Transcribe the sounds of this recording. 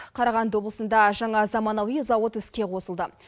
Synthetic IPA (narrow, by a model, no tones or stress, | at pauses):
qʰɑɾɑʁɑnd̪wo̞blˠəsənd̪ɑʒɑɴɑzɑmɑnɑwizɑwot̪ʏskʲe̞qʰo̞səlˠd̪ə